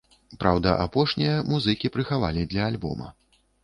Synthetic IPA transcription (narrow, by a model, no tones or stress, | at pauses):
pɾawd̪ɐʔapɔʂnʲijɐmuzɨkʲipɾɨxava̰lʲid̪lʲɐːlʲbɔ̰mɐ̰